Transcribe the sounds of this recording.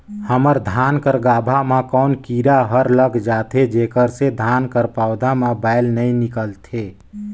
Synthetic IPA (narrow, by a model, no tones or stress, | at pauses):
həməɾd̪ʱaːnkəɾɡaːbʱamãkɔːnkiːɾaɦəɾləɡd͡ʒaːt̪ʰed͡ʒeːkəɾsed̪ʱaːnkəɾpaʊd̪ʱamẽbaːɪlnəĩnɪkəlt̪ʰe